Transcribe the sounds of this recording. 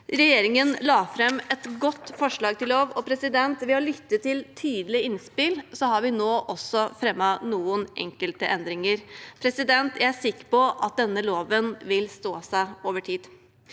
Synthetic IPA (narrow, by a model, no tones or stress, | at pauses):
ɾɛjeːɾɪŋənlɑːfɾɛmːɛt̪ɡɔt̪ːfɔʂɭɑːɡ̚t̪ɪlloːʋɔpʰɾɛsɪd̪ɛnt̪ʋɛɑlʏt̪ːət̪ɪlt̪ʰyːd̪lɪɪnspɪlsɔhɑɾʋɪnoːʔɔsːɔfɾɛmːɑnuːənʔɛ̰ŋkəlt̪əʔɛnd̪ɾɪŋəɾpʰɾɛsɪd̪ɛnt̪jææsɪkːə̥pɔʔɑt̪̚d̪ɛnːəloːʋənʋɪlst̪oːsæɪoːʋəʈʰiːd̪